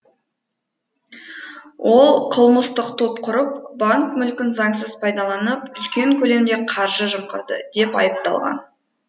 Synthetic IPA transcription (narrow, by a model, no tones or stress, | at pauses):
wʔo̞lˠqʰəlˠməst̪əqt̪ʰopqʰʊɾəp̚baŋkmʏlkʲɪnzɑŋsəzpʰɑjd̪ɑlˠɑnəpʏlkʲe̞ŋkʲʰɵle̞md̪e̞qʰɑɾʒəʒəmqə̰ɾd̪ə̰d̪̥e̞pɑ̰jəp̚t̪ɑ̰lˠʁɑ̰n